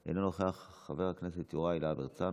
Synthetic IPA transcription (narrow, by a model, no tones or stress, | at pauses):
ʔḛnonoχeaχːave̞ʁakne̞set̪joʁailabeʁt͡sa